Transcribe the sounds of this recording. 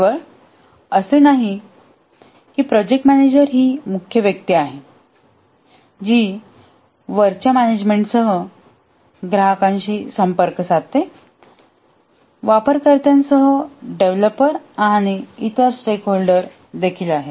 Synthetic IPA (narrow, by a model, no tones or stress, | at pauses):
əɾ | əsenaɦi | kiːpɾɔd͡ʑek̚ʈmæned͡ʑəɾɦiːmukʰjəʋjək̚t̪iaɦe | d͡ʑiː | ʋəɾt͡ɕjamæned͡ʑmeɳʈsəɦə | ɡɾaɦəkãɲt͡ɕiːsəmpəɾksat̪ːe | ʋapəɾkəɾt̪jãnsəɦəɖeʋləpəɾaɽ̃iit̪əɾsʈekɦolɖəɾ | d̪ekʰiːlaɦe